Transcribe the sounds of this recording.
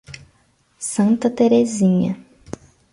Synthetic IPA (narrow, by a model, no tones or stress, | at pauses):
sɐ̃nt̪ɐt̪eɾezĩɲɐ